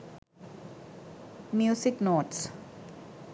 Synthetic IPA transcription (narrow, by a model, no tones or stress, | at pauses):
mjusiknoːʈs